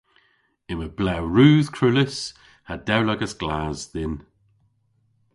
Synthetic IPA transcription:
ɪməb̥lɛwɹuːð̥kʰɹ̥ulɪs | hadɛwlɔɡəsɡ̥laːzðɪn

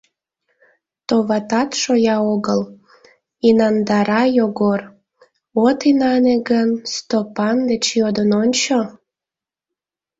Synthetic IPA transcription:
t̪oβɑt̪ɑt̪ʃojɑoɣəl | inɑnd̪ɑɾɑjoɣor | ot̪inɑneɡənst̪opɑnd̪et͡ɕjod̪ənonʲt͡ɕo

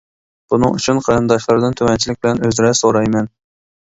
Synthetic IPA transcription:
b̥unɨ̰ŋy̰t͡ʃʰynqʰɑɾɨnd̪ɑʃlˠɑɾd̪ɨnt̪ʰømɛnt͡ʃʰilɪk̚ʲbɪlɛnøzɾɛsoɾɑjmɛn

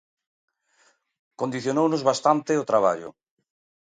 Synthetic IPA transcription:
kond̪iθjonownʊzβast̪ant̪ɪot̪ɾaβ̞a̰ʎʊ̰

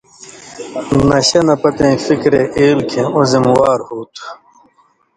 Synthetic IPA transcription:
nɐɕɐnɐpɐt̪ẽĩfikɾeʔeːlkʰẽõzimwaːɾhuːt̪ʰu

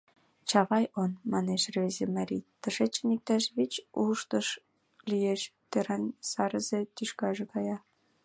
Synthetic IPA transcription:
t͡ɕɑβɑjonmɑneʃrezemɑɾʲḭt̪əʃet͡ɕːənik̚t̪ɑʃβit͡ɕuʃt̪əʃ | lijeʃt̪eɾɑnsɑɾəzet̪yʃkɑʒekɑjɑ

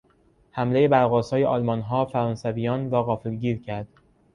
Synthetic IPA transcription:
hæmle̞jebæɾɣɒːsɒːjeʔɒːlmɒːnɦɒːfæɾɒːnsæviːjɒːnɾɒːɣɒːfelɟiːɾcʰæɾd̪̥

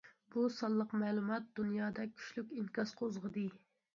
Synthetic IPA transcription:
b̥usɑlˠːəqmɛːlˠumɑt̪̚d̪̥unjɑːd̪ɛkʲʰy̥ʃlykʲiŋkɑsqʰozʁəd̪ɨ

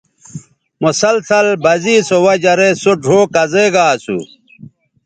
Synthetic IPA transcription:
musɐlsɐlbɐziːsowɐd͡ʑɐɾesoɖʱoːkɐzeɡaːsṵ

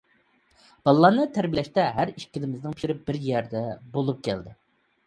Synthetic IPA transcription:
b̥ɑlˠːɑːnɨt̪ʰæɾbilɛʃt̪ɛɦæɾiʃkʲilɪmɪznɪŋpi̥ʃiɾɪbɪɾjæɾd̪ɛbolˠup̚kʲʰɛ̰ld̪ɪ

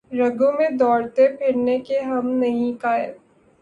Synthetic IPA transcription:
ɾɐɡõmẽd̪ɔːɽt̪epʰɪɽnekeɦɐmnɐɦĩkaːjɪ̰l

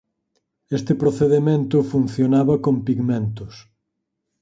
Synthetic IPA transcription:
est̪ɪpɾoθeðemẽnt̪ʊfun̟θjonaβɐkompiɣmẽnt̪ʊs

